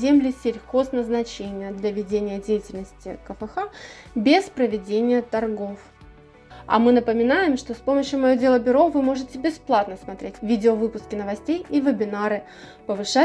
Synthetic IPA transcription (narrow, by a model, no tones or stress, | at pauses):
zʲemlʲɪsʲɪlʲxo̞snəznɐt͡ɕenʲɪjəd̪lʲɐvʲɪdʲenʲɪjədʲejɪtʲɪlʲnəsʲtʲɪkəfɛxa | bʲespɾəvʲɪdʲenʲɪjət̪ɐrɡof | ɐ̰mɨnəpəmʲɪnajɪmʂt̪o̞spo̞məɕjʊmɐjo̞dʲe̞lˠəbʲʊɾo̞vɨmo̞ʐɨtʲɪbʲɪsplˠat̪nəsmɐt̪ɾʲʔetʲvʲidʲɪovɨpʊskʲɪnəvɐsʲtʲejivʲəbʲɪnaɾɨ | pəvɨʂa